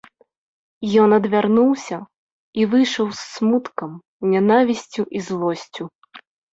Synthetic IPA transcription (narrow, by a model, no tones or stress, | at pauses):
jɔnɐd̪vʲarnuwsʲɐ | ivɨjʂɐwsːmut̪kɐm | nʲan̪avʲisʲt͡sʲuʔizlˠɔsʲt͡sʲu